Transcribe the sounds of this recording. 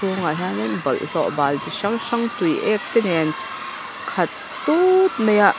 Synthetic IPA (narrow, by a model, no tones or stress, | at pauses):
uŋaɦanɛnbɐlʔɬɔʔbaːlt̪iʃɐŋʃɐŋt̪ujʔɛk̚t̪ɛnɛn | kʰɐt̪ːut̪̚mɐjaʔ